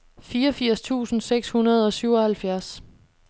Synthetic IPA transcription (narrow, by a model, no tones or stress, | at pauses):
fiːɒfiɐ̰st͡sʰṵːsn̩seɡ̥shunɐð̞̩ˠɒ̽syʊ̰ɒ̽hælfjæɐs